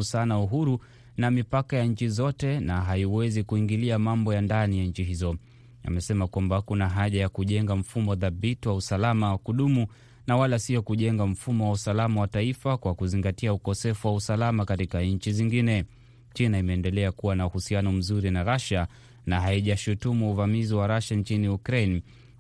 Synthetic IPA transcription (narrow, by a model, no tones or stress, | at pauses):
usanauɦuɾu | namipakajaɲ̩t͡ʃizɔtɛnaɦaiwɛzikuiŋɡiliamambɔjandanijaɲ̩t͡ʃiɦizɔ | a̰mɛsɛmakwambakunaɦaʄajakuʄɛŋɡam̩fumɔðabitiwausalamawakuɗumu | nawalasiɔkuʄɛŋɡam̩fumɔwausalamawataifakwakuziŋɡatiaukɔsɛfuwausalamakatikaɲ̩t͡ʃiziŋɡinɛ | t͡ʃinaimɛːndɛlɛakuwanauhusianɔm̩zuɾinaɾaʃa | naɦaiʄaʃutumuːvamiziwaɾaʃaɲt͡ʃiniukɾen